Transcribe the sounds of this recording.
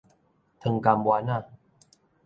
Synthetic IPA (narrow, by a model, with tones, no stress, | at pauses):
t̪ʰɯ˧ŋka˧mbwaː˧˦na˥˧˨